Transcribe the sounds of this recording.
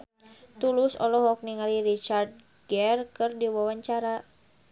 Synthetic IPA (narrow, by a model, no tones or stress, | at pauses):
t̪ulʊsɔlɔɦɔk̚niŋaliɾit͡ʃard̪̚ | ɡɛrkɨrdiwawaɲt͡ʃaɾa